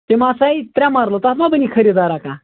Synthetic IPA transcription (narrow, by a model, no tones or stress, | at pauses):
t̪emãsait̪ɾʲãmaɾlot̪aːt̪mabənikʰəɾid̪aɾaka